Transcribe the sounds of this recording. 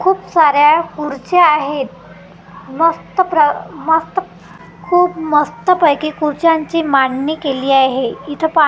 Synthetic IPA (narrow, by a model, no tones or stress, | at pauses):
kʰuːpsaɾjakuɾt͡ɕeaɦet̪̚ | məst̪əpɾəməst̪ə | kʰuːpməst̪əpəjkikuɾt͡ɕãɲt͡ɕimaɳnikeliːaɦeit̪ʰəpa